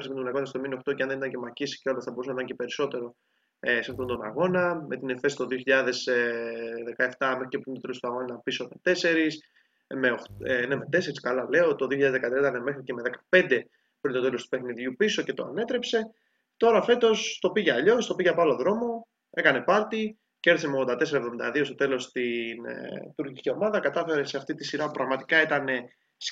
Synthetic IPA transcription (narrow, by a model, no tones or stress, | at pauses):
ɾismet̪t̪onɐɣo̞nɐst̪ominioxt̪o̞ceɐnðeit̪ɲce̞mɐcisceo̞lɐsθɐbo̞ɾusnit̪ɐɲce̞pe̞ɾiso̞t̪e̞ɾo̞ | esinθond̪o̞nɐ̰ɣo̞nɐme̞t̪ine̞fesi̥t̪o̞ðioçiʎɐðe̞s | ðe̞kɐeft̪ɐme̞xɾicepɾint̪ot̪e̞lost̪uɐɣo̞nɐpiso̞me̞t̪e̞se̞ɾis | meoxene̞me̞t̪e̞se̞ɾiskɐlɐle̞ot̪oðioçiɐðzðekɐt̪ɾiɐit̪ɐneme̞xɾice̞me̞ðekɐ̥pe̞nd̪e̞ | pɾint̪o̞t̪e̞lost̪upe̞xniðʝupiso̞cet̪oɐ̰ne̞t̪ɾe̞pse̞ | t̪o̞ɾɐfe̞t̪o̞st̪o̞piʝeɐʎo̞st̪o̞piʝeapɐlo̞ðɾo̞mo̞ | e̞kɐne̞pɐɾt̪i | ceɾθisemeoɣðd̪ɐt̪esɾɐevðomind̪ɐðio̞st̪o̞t̪e̞lo̞st̪int̪uɾcicicio̞mɐðɐkɐt̪ɐfe̞ɾe̞seɐft̪it̪isiɾɐpupɾɐɣmɐt̪ikɐit̪ɐne̞ | s